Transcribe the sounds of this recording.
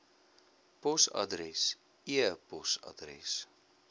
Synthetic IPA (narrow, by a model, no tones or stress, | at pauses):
pɔsa̰dɾɛs | iəpɔsa̰drɛ̰s